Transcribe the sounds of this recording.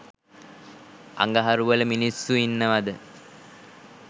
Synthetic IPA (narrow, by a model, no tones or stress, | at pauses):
a̰ŋɡaɦaɾuʋələminisːuinːəʋad̪ə